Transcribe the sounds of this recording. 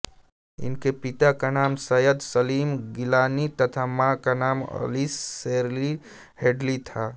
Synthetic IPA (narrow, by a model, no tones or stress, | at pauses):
ɪ̰nkepit̪akanaːmsəjəd̪səliːmɡilaːnit̪ət̪ʰamakanaːmə̰lisːeɾli | heɖlit̪ʰa